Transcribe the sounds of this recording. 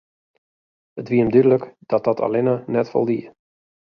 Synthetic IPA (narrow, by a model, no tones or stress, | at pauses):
ətʋiəmdydələkd̥ɔt̚d̥ɔtʰa̰lɪnənɛtfɔ̰lˠdiə